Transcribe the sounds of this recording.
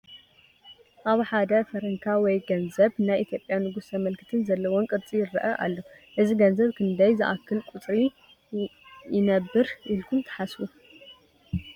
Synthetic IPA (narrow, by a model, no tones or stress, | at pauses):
ʔaβħad̪ɐfɐɾɐŋkʰawɔjɡɐnzɐβnajʔit̪ʰjo̞pʼjanɨɡusʰɐmɐlkʰɨ̥t̪ʰɨnzɐlːɐwɔnkʼɨɾt͡sʼijɪɾɐʔɐʔa̰lːo | ʔɨziɡɐnzɐβkʰɨnd̪ɐjzɨʔakʰːɨlkʼut͡sʼɾi | jɪnɐbːɨɾʔilkʰumt̪ʰɐ̥ħasu